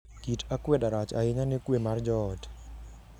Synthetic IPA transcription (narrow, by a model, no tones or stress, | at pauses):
kitʰakwɛdaɾat͡ʃaɪɲanekwemard͡ʒɔt